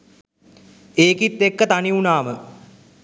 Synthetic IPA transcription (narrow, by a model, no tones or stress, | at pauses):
eːkit̪ːekːət̪aniunaːmə